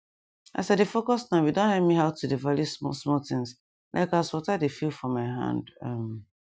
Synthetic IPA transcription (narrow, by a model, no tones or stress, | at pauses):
ʔa̰sadefokɔsnãʊjudõnhɛmiɦaʊtʰudevalismɔ̰smɔtɪ̃ŋs | lʔa̰ɪkaswɔtadefilˠfɹɔ̃mːaɪɦã̰ndãm